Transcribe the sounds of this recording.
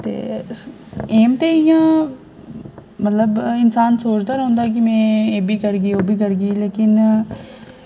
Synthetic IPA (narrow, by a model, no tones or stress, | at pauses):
t̪ḛː | eːmt̪eːɪjãː | mət̪ləbɪnsaːnsoːt͡ʃd̪aːɾəɦʊ̃ːnd̪aɛk̬ɪmɛ̃ːeːbʱiːkəɾɡiːoːbʱiːkəɾɡiːleːkɪn